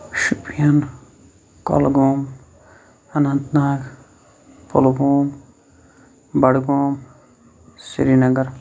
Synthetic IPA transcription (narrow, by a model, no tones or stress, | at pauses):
ʃupjɐn | kɔ̰lɡoːm | ɐnɐnt̪naːɡ | polɡoːm | bɐɽɡoːm | sḭɾinɐɡɐɾ